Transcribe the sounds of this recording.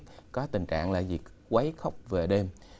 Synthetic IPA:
kɔ˨˦t̪ï˨˩ŋt͡ɕa̰ː˧˨ŋla̰ː˨˩zi˨˩ək̚kwa˨˦jxə˦˥wk͡p̚ve˨˩ɗe˧m

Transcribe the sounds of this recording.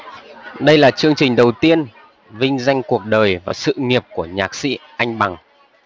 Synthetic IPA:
ɗə˧jlaː˨˩t͡ɕɨ˧əŋt͡ɕï˨˩ŋ̟ɗə˨˩wt̪i˧ən | vï˧ŋ̟za˧jŋ̟ku˨˩ək̚ɗəː˨˩jvaː˨˩sɨ̰˧˨ŋi˨˩əp̚ku˧˩əɲaː˨˩k̚sḭ˧˥ʔa˧jŋ̟ɓa˨˩ŋ

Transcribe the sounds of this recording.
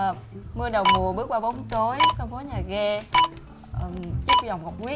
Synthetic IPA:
mɨ˧əɗə˨˩wŋ͡mmu˨˩əɓɨ˦˥k̚ɓaː˧ɓɔ˨˦wŋ͡mt͡ɕo˨˦jsa˧wŋ͡mkɔ˨˦ɲaː˨˩ɣɛ˧˨˩ | t͡ɕɨ˦˥k̚za˨˩wŋ͡mhə˨˩wk͡p̚kwi˦˥

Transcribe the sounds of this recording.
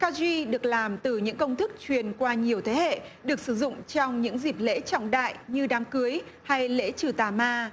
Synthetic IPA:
kaː˧zi˧ɗɨ˨˩ək̚laː˨˩mt̪ɨ˨˩ɲɨ̰˧˥ŋkə˧wŋ͡mt̪ʰɨ˦˥k̚t͡ɕwi˨˩ənkwaː˧ɲi˨˩əwt̪ʰe˨˦hḛ˧˨ɗɨ˨˩ək̚sɨ˧˩zʊ̰˧˨ŋ͡mt͡ɕɔ˧wŋ͡mɲɨ̰˧˥ŋzi˨˩p̚lḛ˧˥t͡ɕɔ̰˧˨wŋ͡mɗa̰ː˧˨jɲɨ˧ɗaː˨˦mkɨ˨˦əjha˧jlḛ˧˥t͡ɕɨ˨˩t̪aː˨˩maː˧

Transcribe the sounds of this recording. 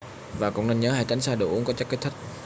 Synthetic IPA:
vaː˨˩kʊ̰˧˥ŋ͡mne˧nɲəː˨˦haː˧˩jt͡ɕa˨˦jŋ̟saː˧ɗɨ̰˨˩ʔu˨˦ŋkɔ˨˦t͡ɕa˦˥ke˦˥t̚t̪ʰi˦˥k̚

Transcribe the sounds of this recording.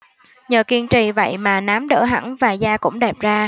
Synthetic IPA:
ɲəː˨˩ki˧nt͡ɕḭ˧˨˩və̰˧˨jmaː˨˩naː˨˦mɗə̰ː˧˩ɦa̰˧˩ŋvaː˨˩zaː˧kʊ̰˧˥ŋ͡mɗɛ˨˩p̚zaː˧

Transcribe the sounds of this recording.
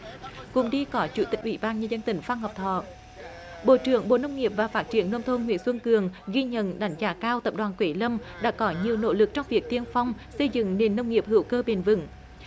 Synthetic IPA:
kʊ̰˧˥ŋ͡mɗi˧kɔ˨˦t͡ɕu˧˩t̪ï˨˩k̟̚ʔwḭ˧˦ɓaː˧nɲə˧nzə˧nt̪ï˨˩ŋ̟faː˧ŋɦɔ˨˩p̚t̪ʰɔ̰˧˨ | ɓo̰˧˨t͡ɕɨ˧˩əŋɓo̰˧˨nə˧wŋ͡mŋi˨˩əp̚vaː˨˩faː˦˥t̚t͡ɕi˧˩˦ənːə˧wŋ͡mt̪ʰo˧nŋwḭ˧˥ənswə˧nkɨ˨˩əŋɣi˧ɲə̰˧˨nɗa˨˦jŋ̟zaː˨˦kaː˧wt̪ə˨˩p̚ɗwaː˨˩nkwe˨˦lə˧mɗa̰ː˧˥kɔ˨˦ɲi˨˩əwno̰˧˥lɨ˨˩k̚t͡ɕɔ˧wŋ͡mvi˨˩ək̚t̪i˧ənfa˧wŋ͡m | sə˧jzɨ̰˧˨ŋne˨˩nːə˧wŋ͡mŋi˨˩əp̚hɨ̰˧˩əwkəː˧ɓe˨˩nvɨ̰˧˥ŋ

